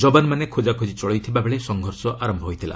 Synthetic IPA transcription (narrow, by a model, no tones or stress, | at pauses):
d͡ʒɔbanmanekʰod͡ʒakʰod͡ʒit͡ʃɔɭɔjt̪ʰibabʱeɭesɔŋɡʱɔɾsɔʔʔaɾɔmbʱɔɦojt̪ʰila̰